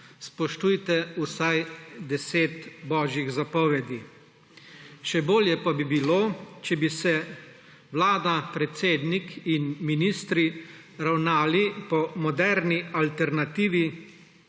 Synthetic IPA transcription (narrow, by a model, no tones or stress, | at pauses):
spɔʃt̪ujt̪ɛusajd̪ɛseːt̪bɔːʒjiɣzapɔʋɛd̪i | ʃɛboːljɛpabibiloːt͡ʃɛbisɛ | wlaːd̪apɾɛt̪seːd̪nikinminiːst̪ɾi | ɾawnaːlipɔmɔd̪ɛɾnialt̪ɛɾnat̪iːʋi